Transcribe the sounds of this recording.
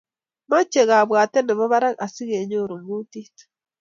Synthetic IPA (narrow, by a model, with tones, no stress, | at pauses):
ma˦t͡ʃe˨ɣa˨βwa˨t̪e˦ne˨βa˦βa˦ɾa˦ka˨si˦ɣe˨ɲo˦ɾu˨ŋɡu˦t̪i˦t̪